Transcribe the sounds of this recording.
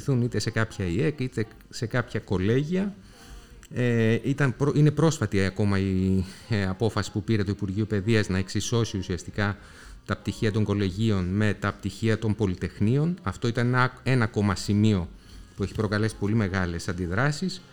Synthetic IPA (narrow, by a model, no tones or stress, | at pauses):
θunit̪e̞se̞kɐpçɐie̞kit̪e̞ | se̞kɐpçɐko̞le̞ʝiɐ | eit̪ɐnpɾoine̞pɾo̞sfɐt̪iɐko̞mɐi | ɐpo̞fɐsi̥pupiɾe̞t̪uipuɾʝiope̞ðiɐznɐeksiso̞siusiɐst̪ikɐ | t̪ɐp̚t̪içiɐt̪o̞ŋɡo̞le̞ʝio̞nme̞t̪ɐp̚t̪içiɐt̪o̞mbo̞lit̪e̞xnio̞nɐft̪o̞it̪ɐneɐe̞nɐko̞mɐsimio̞ | pue̞çi̥pɾo̞kɐle̞si̥po̞lime̞ɣɐle̞sɐnd̪iðɾɐsis